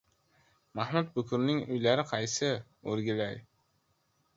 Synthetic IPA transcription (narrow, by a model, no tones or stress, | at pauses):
mahmʊt̪̚bʊkʲʰʊɾnɪŋʊjlaɾɪqʰɑjsɪoɾɡʲɪlaj